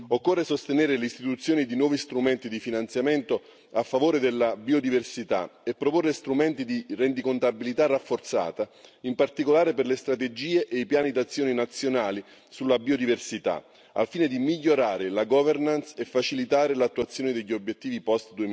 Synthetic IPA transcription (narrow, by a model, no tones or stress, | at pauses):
okːorːesost̪eneːɾeleist̪it̪ut̪sːjoːnid̪inwɔːvist̪ɾument̪id̪ifinant̪sjament̪o | afːavoːɾed̪elːabiod̪iversit̪a̰epːɾoporːest̪ɾumɛnt̪id̪irend̪ikont̪abilit̪arːafːort̪sa̰ːt̪aimpart̪ikolaːɾeperlest̪ɾat̪ed͡ʒiːeʔeijpjaːnid̪at̪sːjoːninat̪sːjonaːli | sulːabiod̪iversit̪a̰ | a̰lfiːned̪imiʎːoɾaːɾelaɡɔvernansefːat͡ʃilit̪aːɾelat̪ːuat̪sːjoːned̪eʎːiobjet̪ːiːvipɔst̪d̪ue